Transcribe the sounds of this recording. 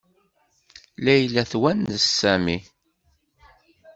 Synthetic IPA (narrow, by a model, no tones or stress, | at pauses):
læjlæθwænəsːæmi